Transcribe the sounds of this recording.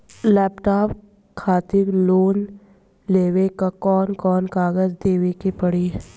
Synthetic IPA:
lɛːpʈaːp | kʰaːt̪ɪɾloːn | leːwekakɔːnkɔːnkaːɡəzd̪eːʋekepɐɽi

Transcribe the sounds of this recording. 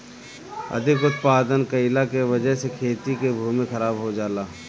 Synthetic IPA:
ɐ̰d̪ʱɪkʊt̪paːd̪ənkəɪlakeʋɐd͡ʒəɦsekʰeːt̪ikebʱuːmẽxɐɾaːbɦod͡ʒaːlaː

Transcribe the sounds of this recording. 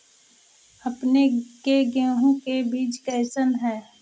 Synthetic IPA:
ɐpnekeɡɛ̃ːɦõkebiːt͡ʃkɛːsənɦɛː

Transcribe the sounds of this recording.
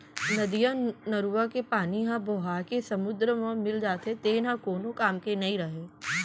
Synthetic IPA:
nɐd̪ijanɐɾuʋakepaːniɦãboːɦaːɾkesɐmʊd̪ɾəmãmɪld͡ʒaːt̪et̪eːnãkoːnokaːmkenɐĩɾɐɦeː

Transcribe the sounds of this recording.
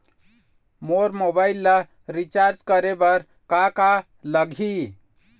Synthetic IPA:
moɾmobailːa | ɾit͡ʃaɾd͡ʒkəɾebəɾ | kaka | ləɡʱi

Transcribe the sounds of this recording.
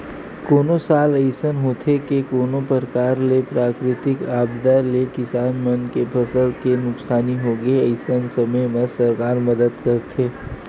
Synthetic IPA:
koːnõsaːləɪsənɦoːt̪ʰekekoːnõpəɾkaːɾlepɾaːkɾɪt̪ɪkaːbd̪alekɪsaːnmɐnkepʰɐsəlkenʊksaːniɦoːɡəiəɪsənsɐməjmɐsɐɾkaːɾmɐd̪əd̪kɐɾt̪ʰeː

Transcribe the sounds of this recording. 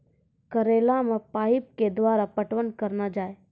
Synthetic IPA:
kəɾeːlamẽpaːip̚ked̪waːɾapəʈʋənkəɾnad͡ʒaːe

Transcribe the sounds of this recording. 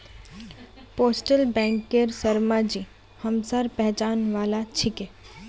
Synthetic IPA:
poːsʈəlbɛ̃ːŋkːeɾsəɾmad͡ʒi | həmsaɾpɛɦt͡ʃaːnʋaːlat͡ʃʰike

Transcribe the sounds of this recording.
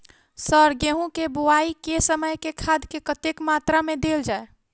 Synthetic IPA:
səɾɡeɦũkebuaikesəməjkekʰad̪kekət̪ekmat̪ɾamed̪eld͡ʒae

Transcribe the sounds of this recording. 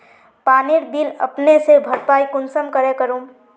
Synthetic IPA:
paniɾbilə̰pnesebʱəɾpajkunsəmkəɾekəɾum

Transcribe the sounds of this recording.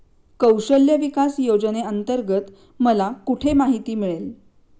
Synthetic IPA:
kəwɕəljəʋikasjod͡ʑneənt̪əɾɡət̪ | məlakuʈʰemaɦit̪iːmiɭel

